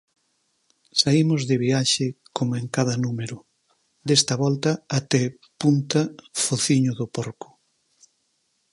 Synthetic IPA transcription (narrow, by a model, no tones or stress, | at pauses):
saimʊzðɪβiaʃɪkomeŋkaðɐnumeɾʊ | d̪est̪ɐβɔlt̪ɐːt̪ɛ | punt̪ɐfoθiɲʊðʊpɔɾkʊ̥